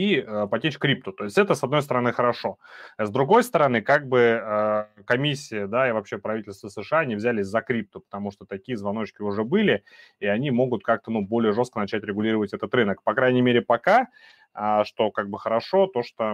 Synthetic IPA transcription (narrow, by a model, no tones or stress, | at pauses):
iəpɐtʲet͡ɕʲkɾʲip̚t̪ʊt̪o̞ɪsʲtʲɛt̪əsɐd̪no̞jst̪əɾɐnɨxəɾɐʂo̞zd̪ɾʊɡo̞jst̪əɾɐnɨkaɡ̚bɨəkɐmʲisʲːɪjəd̪aɪvɐpɕːe̞pɾɐvʲitʲɪlʲst̪vəsɨʂɨaɐnʲivzʲælʲɪsʲzɐkɾʲip̚t̪ʊpə̥t̪ɐmuʂt̪ot̪ɐkʲijəzvɐno̞t͡ɕkʲɪʊʐɛbɨlʲɪ | iɐnʲimo̞ɡʊt̪̚kak̚t̪ənubo̞lʲɪjəʐo̞skənɐt͡ɕætʲɾʲɪɡʊlʲiɾəvətʲɛt̪ət̪ɾɨnəkpɐkɾajnʲɪmʲeɾʲɪpɐka | əʂt̪o̞kaɡ̚bɨxəɾɐʂo̞t̪o̞ʂt̪o